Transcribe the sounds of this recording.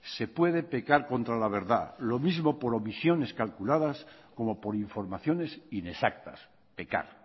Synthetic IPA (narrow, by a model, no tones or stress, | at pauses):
se̞pwe̞ðe̞pe̞kaɾko̞nt̪ɾalaβ̞e̞ɾða̰lo̞mizmo̞po̞ɾo̞misjo̞ne̞skalkulaðasko̞mo̞po̞ɾiɱfo̞ɾmaθjo̞ne̞sine̞sak̚t̪a̰s | pe̞ka̰ɾ